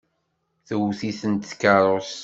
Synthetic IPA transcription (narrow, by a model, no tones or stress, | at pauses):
θəwθiθənt̪θkːəɾˤos